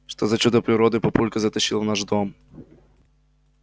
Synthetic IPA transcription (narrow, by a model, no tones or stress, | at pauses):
ʂt̪ozɐt͡ɕud̪əpɾʲɪɾɔd̪ɨpɐpulʲkɐzɐt̪ɐɕilˠnaʐd̪om